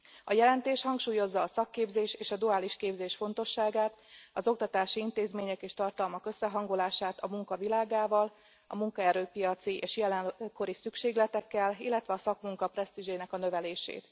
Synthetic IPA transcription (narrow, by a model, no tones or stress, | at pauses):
ɒjɛlɛnt̪eːʃhɒŋkʃuːjo̞zːɒːsɒkːeːbzeːʃeːʃɒd̪uaːliʃkeːbzeːʃfo̞n̪t̪o̞ʃːaːɡaːt̪ɒzo̞kt̪ɒt̪aːʃiint̪eːzmeːɲɛkeːʃt̪ɒrt̪ɒlmɒkø̞sːɛɦɒŋɡolaːʃaːt̪ɒmuŋkɒvilaːɡaːvɒl | ɒ̰muŋkɒɛɾøːpijɒt̪siʔeːʃjɛlɛnko̞ɾisykʃeːɡlɛt̪ɛkːɛlḭlːɛt̪ʋɛɒsɒkmuŋkɒprɛst̪iʒeːnɛkɒnø̞vɛleːʃḛːt̪